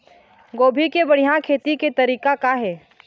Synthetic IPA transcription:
ɡoːbʱikebɐɽ̤ijakʰeːt̪iket̪ɐɾiːkakaɦɛː

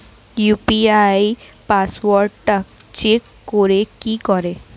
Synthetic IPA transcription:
jupiajpaswɔɾɖʈak̚ | t͡ʃekːoɾekikɔɾe

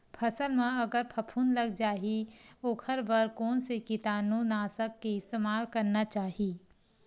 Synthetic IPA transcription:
pʰɐsəlmẽɐɡəɾpʰɐpʰuːnlɐɡd͡ʒaːɦioːkʰəɾbɐɾkɔːnsekɪt̪aːnũnaːsəkːeɪst̪eːmaːlkɐɾnat͡ʃaːɦiː

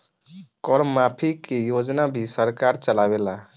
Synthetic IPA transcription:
kɔɾmmːapʰikejod͡ʒnabʱisəɾkaɾt͡ʃəlabela

